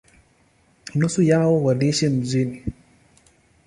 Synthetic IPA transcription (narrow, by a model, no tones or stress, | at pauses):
nosujawowadiʃem̩zini